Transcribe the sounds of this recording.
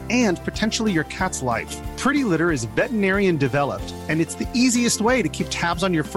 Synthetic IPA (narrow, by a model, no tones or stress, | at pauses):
ɨ̃npʰɨtʰɛ̃nʃl̩ˠijə˞kʰætsla̰ɪfpʰɹ̥ɪɾilɪɾə˞ɨzvɛʔn̩ɛɹiɨ̃ndɨvɛlˠə̰p̚t | ɨ̃nɨtsðiʔiziɨst̚weɪɾɨkʰip̚tʰæbzn̩jə˞f